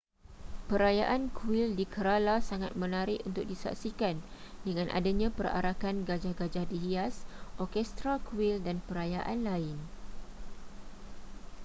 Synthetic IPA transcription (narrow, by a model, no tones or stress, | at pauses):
pəɾajaʔankuwɪldikəɾalasaŋat̪̚mə̃naɾɪʔunt̪ʊk̚disa̰ksikandəŋãnʔa̰daɲãpəɾa̰ɾakanɡad͡ʒahɡad͡ʒahdiɦiasʔɔkɛst̪ɾakuwɪldanpəɾajaʔanlaɪn